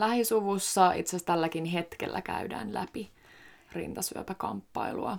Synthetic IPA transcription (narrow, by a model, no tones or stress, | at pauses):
læhisuʋusːɑḭt̪sest̪ælːækinɦe̞t̪kḛlːʔækæ̰ydæ̰ːnlæpi | rḭnt̪ɑsyø̰pækɑmpːɑiluɑ